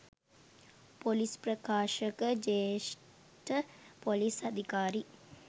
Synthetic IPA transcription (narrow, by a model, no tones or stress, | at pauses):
polispɾəkaːʃəkəd͡ʒeʃ | ʈəpolisad̪ʱikaːɾi